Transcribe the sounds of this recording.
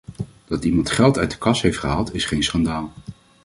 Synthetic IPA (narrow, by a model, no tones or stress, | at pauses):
d̥ɑtimɑntχɛlˠtœɥdə̥kɑsɦejftχəɦaːlˠtɪsχejnsχɑndaːlˠ